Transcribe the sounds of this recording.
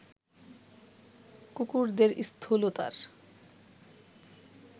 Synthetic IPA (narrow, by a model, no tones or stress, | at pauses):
kukuɾd̪eɾḭst̪ʰolot̪a̰ɾ